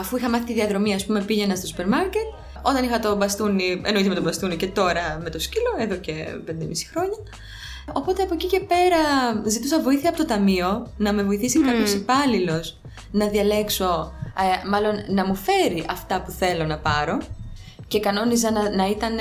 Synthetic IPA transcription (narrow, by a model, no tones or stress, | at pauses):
ɐfuixɐmɐθit̪iðiɐðɾo̞miɐspume̞piʝe̞nɐst̪osupe̞ɾmɐɾce̞t̪ | o̞t̪ɐnixɐt̪o̞bɐst̪uniḛnoiθɐmet̪obɐst̪unice̞t̪o̞ɾɐme̞t̪o̞scilo̞e̞ðo̞ce̞pend̪emisi̥xɾo̞ɲɐ | o̞po̞t̪e̞ɐpo̞cice̞pe̞ɾɐzit̪usɐvo̞iθiɐpot̪ot̪ɐmio̞nɐme̞vo̞iθisikɐp̪çosipɐlilo̞s | nɐðiɐle̞kso̞ | mɐlo̞nːɐmufe̞ɾiʔɐft̪ɐpuθe̞lo̞nɐpɐɾo̞ | ce̞kɐno̞niz̬ɐnɐit̪ɐn